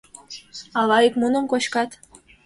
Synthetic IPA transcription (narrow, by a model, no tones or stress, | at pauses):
ɑlɑjikmunə̆mkot͡ɕkɑt̪